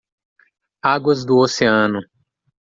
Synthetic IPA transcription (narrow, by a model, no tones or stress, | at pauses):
aɡwɐzd̪ʊoseɐ̃nʊ